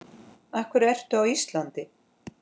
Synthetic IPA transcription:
ahkvʏɾɛr̥t̪ʏawist̪lant̪ɪ

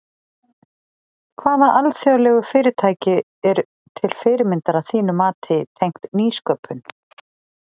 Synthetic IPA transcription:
kʰvaːðaʔalθjawlɛɣʏfɪːɾɪt̪ʰaːjcɪ | ɛɾ | t̪ʰɪlfɪːɾɪmɪnt̪aɾaðθiːnʏmaːt̪ʰɪt̪ʰejŋ̥kt̪niːskœpʰːʏn

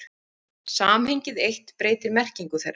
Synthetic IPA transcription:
saːmhejɲcɪðejht̪pɾeːjt̪ɪɾmɛr̥ciŋkʏθḛr

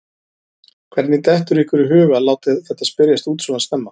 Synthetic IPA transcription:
kʰvɛɾt̪nit̪ɛht̪ʏɾihkvʏɾʏɦʏːɣalaːwt̪ɪðθɛht̪ːaspɪɾjast̪uːt̪suvanst̪ɛmːa

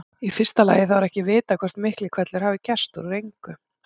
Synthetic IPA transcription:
ifɪr̥st̪ala̰ːjɪθawaɾɛhcɪvɪːt̪akʰvɛr̥t̪mɪhklɪkʰv̥ɛt̪lɛɾ̥haːvicɛr̥st̪uɾɾejŋkʏ

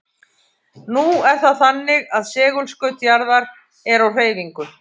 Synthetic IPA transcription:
nuɛɾ̥θaθanːɪɣaðsɛːɣʏlskœɥt̪jaɾðaɾ | ɛɾawr̥eːjviŋkʏ

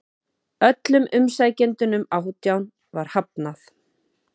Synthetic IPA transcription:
œt̪lʏmʔʏmsajcɪnt̪ʏnʏmawt̪jawn | vaɾ̥hap̚naθ

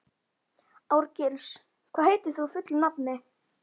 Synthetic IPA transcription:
awɾcɪls | kʰvaːðheːjt̪ɪ̥θufʏt̪lnapnɪ

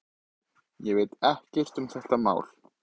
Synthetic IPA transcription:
jɛvɪt̪ɛhcɛr̥t̪ʏmθɛht̪ama̰ːwl̥

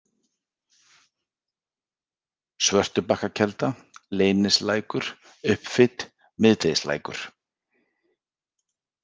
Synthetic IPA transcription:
svœr̥t̪ʏpahkacʰɛlt̪a | leːjnɪslaːjkʏɾ̥ | ʏhpfɪt̪ | mɪðt̪ejsla̰ːjkʏ̰ɾ̥

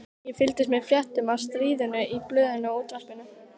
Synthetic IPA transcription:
jɛfɪlt̪ɪst̪mɛðfjɛht̪ʏmaðst̪ɾiːðʏnʏiplœːðɪnʏaoːwt̪ɾaspɪnʏ

